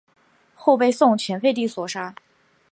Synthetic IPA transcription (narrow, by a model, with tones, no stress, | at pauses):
xo˥˧ʊpe˥˧ɪsʊ˥˩ŋt͡ɕʰɥɛ˧˥nfe˥˧ɪt̪̬i˥˩swɔ˨˩ʂa˥